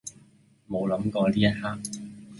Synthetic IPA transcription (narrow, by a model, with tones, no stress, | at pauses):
mo˨˧wlɐ˨˥mkɔː˧liː˥jɐ˥t̚haː˥k̚